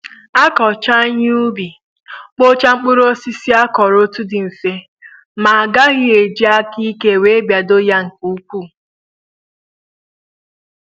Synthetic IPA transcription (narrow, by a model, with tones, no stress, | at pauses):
a˦kɔ˨t͡ʃa˦ɲ˦u˦bi˨ | k͡po˦t͡ʃa˦ŋ͡m̩˦k͡pʊ˦ɾo˦si˦si˦a˦kɔ˨ɾo˦tu˦dɪ˨m̩˨fe˦ | ma˨a˨ɡa˦ɣɪ˦e˨d͡ʒi˦a˦ki˦ke˦˨we˨˦bja˨do˦ja˦ŋ̩˨ku˨u˦k͡pu˦˨